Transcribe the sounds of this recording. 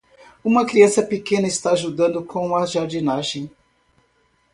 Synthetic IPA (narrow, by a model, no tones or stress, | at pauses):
ũmɐkɾiɐ̃sɐpekẽnɐist̪aːʒud̪ɐ̃nd̪ʊkʰõũmɐʒaɾd͡ʒinaʒẽj̃